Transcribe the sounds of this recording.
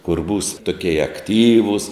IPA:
kʊr buːs toːˈkʲiɛjɛ ɐkˈtʲiːʋʊs

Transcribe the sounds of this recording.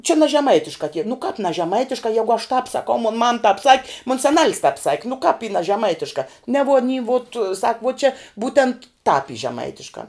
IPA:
t͡ʃʲɛ nɐ ʒʲɛˈmɐɪtʲɪʃkɑː tʲiɛ nʊ kɑːp nɐ ʒʲɛˈmɐɪtʲɪʃkɑː ˈjæːɡʊ ɐʃ tɑːp sɐˈkɐʊ moːn mɐm tɑːp sɐkʲ moːn sɐˈnɐlʲs tɑːp sɐkʲ nʊ kɑːp iː nɐ ʒʲɛˈmɐɪtʲɪʃkɐ nʲɛ ʋuɔ ɐˈnʲiː ʋoːt sɐk ʋuɔ t͡ʃʲɛ ˈbuːtʲɛnt tɑːp iː ʒʲɛˈmɐɪtʲɪʃkɑː

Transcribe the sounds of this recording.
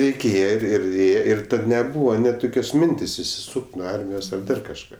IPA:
rʲɛɪˈkʲeːjɛ ˈɪr ɪr ˈeːjɛ ɪr ˈtɐt nʲɛˈbuːʋɐ nʲɛt ˈtoːkʲoːs ˈmʲɪnʲtʲeːsʲ ɪʃʲsʲɪˈsuːkʲtʲ nuɔ ˈɐrʲmʲɪjoːs ɐr ˈdɐr kɐʃˈkɑː

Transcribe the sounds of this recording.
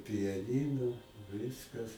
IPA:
pʲɪjɛˈnʲiːnʊ ɪr ˈʋʲɪskɐs

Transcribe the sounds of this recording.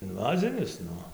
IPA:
ɪnˈʋɑːzʲɪnʲɪs ˈnʊ

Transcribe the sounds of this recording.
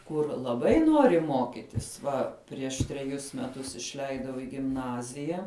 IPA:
ˈkʊr lˠɐˈbɐɪ ˈnoːrʲɪ ˈmoːkʲɪtʲɪs ˈʋɐ pʲrʲiɛʃ tʲrʲɛˈjʊs mʲɛˈtʊs ɪʃʲˈlʲɛɪdɐʊ ɪ ɡʲɪmˈnɑːzʲɪjɛ

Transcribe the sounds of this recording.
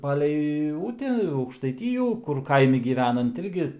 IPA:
ˈpɑːlʲɛɪ ˈʊtʲɛ ɐʊkʃtɐɪˈtʲiːjuː kʊr ˈkɐɪmʲɪ ɡʲiːˈʋʲæːnɐnt ˈɪrʲɡʲɪ

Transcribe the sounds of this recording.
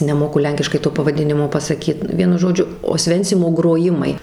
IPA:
nʲɛˈmoːkʊ ˈlʲɛŋʲkʲɪʃkɐɪ toː pɐʋɐˈdʲɪnʲɪmoː pɐsɐˈkʲiːt ˈʋʲiɛnʊ ˈʒoːd͡ʒʲʊ oːsʲˈʋʲɛnʲt͡sʲɪmoː ɡroːˈjɪmɐɪ

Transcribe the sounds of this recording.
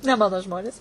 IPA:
nʲɛ ˈmɑːnoː ˈʒmoːnʲeːs

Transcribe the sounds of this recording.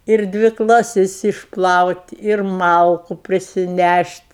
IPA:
ɪr ˈdʲʋʲɪ klˠɐˈsʲɪs ɪʃˈplˠɐʊtʲ ɪr ˈmɐlˠkʊ pʲrʲɪsʲɪˈnʲæʃʲtʲ

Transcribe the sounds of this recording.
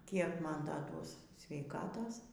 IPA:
ˈkʲiɛk ˈmɐn ˈdɐ ˈduɔs sʲʋʲɛɪˈkɑːtoːs

